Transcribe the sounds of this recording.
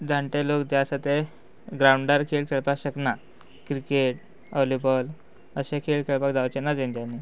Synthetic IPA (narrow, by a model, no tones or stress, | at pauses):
d͡zaɳʈelokd̪jasat̪e | ɡɾauɳɖəɾkʰeɭkʰeɭpakɕəkna | kɾikeʈ̚ | ɔlibəl | əɕẽkʰeɭkʰeɭpakd͡zawt͡ɕenad͡zẽnt̪janːi